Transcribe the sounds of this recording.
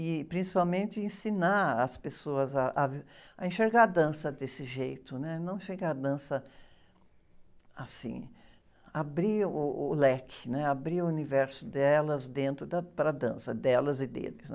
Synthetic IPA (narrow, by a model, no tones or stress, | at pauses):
ɪpɾĩsi̥pawmẽnt͡ʃ̪ɪẽsinaɐspesoɐzɐʔaɐẽʃeɾɡad̪ɐ̃sɐd̪esɪʒejt̪ʊnɛnɐ̃w̃ʃeɡad̪ɐ̃sɐ | asḭ̃ | abɾiʊʊlɛkʰɪ̥nɛabɾiʊunivɛɾsʊd̪ɛlɐzd̪ẽnt̪ɾʊd̪ɐpɾɐd̪ɐ̃sɐd̪ɛlɐzɪd̪ḛlɪsnɛ